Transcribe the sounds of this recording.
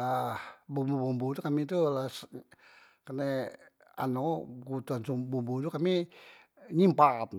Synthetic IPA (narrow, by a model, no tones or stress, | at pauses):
ahbumbubumbut̪ukamit̪ulas | kəne | a̰noɡut̪uansumbumbud̪ukami | ɲimpat̪